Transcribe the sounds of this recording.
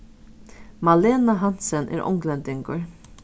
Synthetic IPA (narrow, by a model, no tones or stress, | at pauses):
mɑleːnaɦɑnt̪sənʔæ̰ːɾʔɔ̰ŋɡlənd̪ɪŋɡə̰ɹ